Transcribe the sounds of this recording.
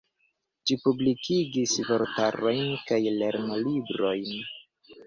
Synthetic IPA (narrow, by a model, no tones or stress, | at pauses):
ʃipublikʰiɡisvoɾtaɾo̞jnkajle̞ɾnolibɾo̞jn